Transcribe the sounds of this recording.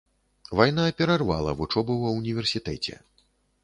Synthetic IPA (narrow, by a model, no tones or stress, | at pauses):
vajn̪apʲɛɾarva̰lˠɐ̰vut͡ʂɔbɐwɐunʲivʲɛrsʲit̪ɛt͡sʲɛ̰